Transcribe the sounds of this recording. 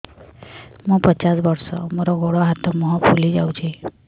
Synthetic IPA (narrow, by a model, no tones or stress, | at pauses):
mũpət͡ʃasbɔɾsɔmoɾɔɡoɽɔɦat̪ɔmuɦɔpʰulid͡ʒawt͡ʃʰi